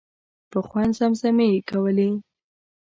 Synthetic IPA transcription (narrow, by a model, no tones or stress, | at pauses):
pəxwand̪zamzamekawəle